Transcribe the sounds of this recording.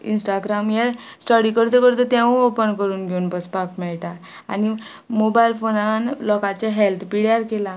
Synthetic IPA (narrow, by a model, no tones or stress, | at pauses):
ḭnsʈaɡɾamjɛsʈɔɾikəɾt͡səkəɾt͡sət̪ɛ̃ʋə̃opənkəɾuːnɡʱeunbəspakmɛɭʈa | ani | mobajlfonanlɔkaɾt͡ɕaɦelt̪ʰpiɽjaɾkela